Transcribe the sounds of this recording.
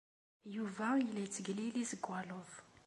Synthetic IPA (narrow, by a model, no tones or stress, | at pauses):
juvailɛjt͡səɡlilizəɡʷwalɔv